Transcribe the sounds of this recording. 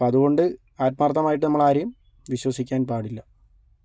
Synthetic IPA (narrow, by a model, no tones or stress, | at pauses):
ɐðuɣo̞ɳɖɨ | aːt̪̚mɐrt̪ːɐmaːjiʈːɨnɐmːɐɭaːɾɐjum | ʋiɕwɐsikʲːaːnpaːɽilːɐ